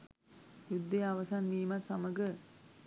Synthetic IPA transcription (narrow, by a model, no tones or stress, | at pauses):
jud̪ːejaʋɐsanʋiːmat̪saməɡə